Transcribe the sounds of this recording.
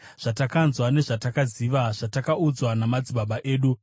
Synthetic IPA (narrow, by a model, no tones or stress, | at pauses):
ʐ̥atakanzwane̞ʐatakaziʋaʐ̥atakaud͡zwanamad͡ziɓaɓaʔe̞ːɗu